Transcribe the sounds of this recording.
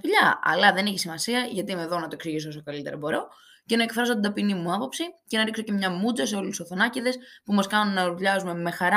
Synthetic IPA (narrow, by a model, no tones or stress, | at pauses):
ʎɐɐ̰lɐðe̞neçisimɐsiɐʝɐt̪iimeðo̞nɐt̪oeksiʝisoosokɐlit̪e̞ɾɐbo̞ɾo̞ | ce̞nɐe̞kfɾɐso̞t̪id̪ɐpinimuɐpo̞psice̞nɐɾikso̞ce̞mɲɐmud͡zɐse̞o̞lusoθo̞nɐciðe̞spumɐskɐnunːɐɾuʎɐzume̞me̞xɐɾ